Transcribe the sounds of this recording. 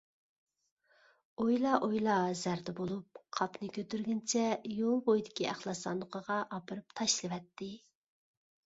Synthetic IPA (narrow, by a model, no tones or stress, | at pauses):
ojlˠɑʔojlˠɑzæɾd̪ɛbolˠup̚qʰɑpnɨkʲʰøt̪yɾɡʲɪnt͡ʃʰɛjolˠbojd̪ɪkʲiæχlˠɑsɑ̰nd̪əqʰəʁɑʔɑpɨɾɨp̚t̪ʰɑʃlˠɨwɛt̪ʰːɪ